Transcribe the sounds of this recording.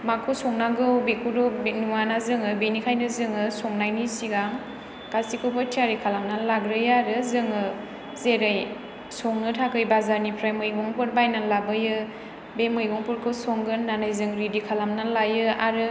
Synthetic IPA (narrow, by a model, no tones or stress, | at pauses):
makʰusɔŋnaɡɯwbekʰudɔnuwanazɯŋɯbenikʰajnɯzɯŋɯsɔŋnajnisiɡaŋ | kasikʰubɯtʰiaɾikʰalamnalaɡɾɯjaɾɯzɯŋɯ | zeɾɯj | sɔŋnɯtʰakɯjbazaɾnipʰɾajmɯjɡɔŋpɯɾ̚bajnalabɯjɯ | bemɯjɡɔŋpɔɾkʰɯsɔŋɡɯnːanɯjzɯŋɾidikʰalamnalajɯaɾɯ